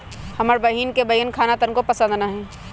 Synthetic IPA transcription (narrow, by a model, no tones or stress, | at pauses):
hɐməɾbɐɦiːnkebɐjənkʰaːnat̪ənkopəsə̃nd̪naɦɛ̃ː